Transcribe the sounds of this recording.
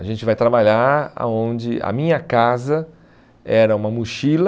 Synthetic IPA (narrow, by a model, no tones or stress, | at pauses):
aʒẽnt͡ʃɪvajt̪ɾabaʎaa̰õnd͡ʒɪɐ̰mĩɲɐkazɐ | ɛɾɐũmɐmuʃil